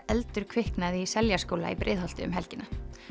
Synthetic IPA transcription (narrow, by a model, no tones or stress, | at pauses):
ɛlt̪ʏɾ̥kʰvɪhknaðisɛljaskoːwla̰ḭpɾɪ̰ːðhɔl̥t̪ɪʏ̰mɦɛlcɪna